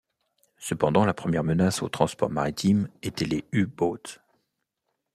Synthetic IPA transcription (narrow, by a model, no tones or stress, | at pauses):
səpɑ̃d̪ɑ̃lapχəmjɛʁmənaso̰t̪χɑ̃spɔ̰ʁmaʁit̪ʰimet̪ɛleybot̪